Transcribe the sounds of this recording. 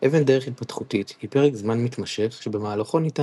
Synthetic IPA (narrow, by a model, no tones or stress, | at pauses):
ʔevendeʁeχit̚patχutithipe̞ʁekzmanmit̪maʃe̞χʃebemaːlaχo̞nita